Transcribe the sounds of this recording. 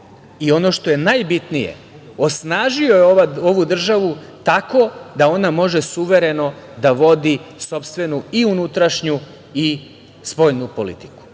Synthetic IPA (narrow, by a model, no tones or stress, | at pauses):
io̞no̞ʃt̪o̞je̞najbit̪nijḛ | o̞snaːʒio̞jeoao̞ʋud̪r̩ʒaʋut̪ako̞d̪ao̞namo̞ʒesuʋe̞ɾe̞no̞d̪aʋo̞d̪iso̞pst̪ʋe̞nuiunut̪ɾaʃɲu | i | spo̞jnupo̞lḭt̪i̥ku̥